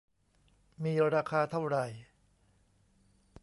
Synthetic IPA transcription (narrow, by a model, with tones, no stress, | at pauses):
miː˧ɾaː˧kʰaː˧t̪ʰa˥˩wɾa˨˩j